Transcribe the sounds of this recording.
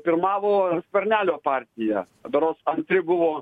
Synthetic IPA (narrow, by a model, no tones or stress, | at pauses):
pʲɪɾmɑːʋoːsʲpʲɛɾʲnʲæːlʲoːpɑːɾʲt̪ʲɪjæ | d̪ɐɾoːsɐnʲt̪ʲɾʲɪbʊʋoː